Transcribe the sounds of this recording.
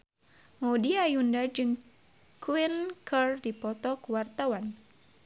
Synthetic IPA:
modiajundad͡ʒɨŋ | kuinkʰərdipɔt̪ɔkuwart̪awan

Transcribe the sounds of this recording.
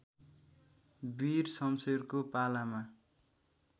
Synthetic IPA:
birsʌmserkopalama

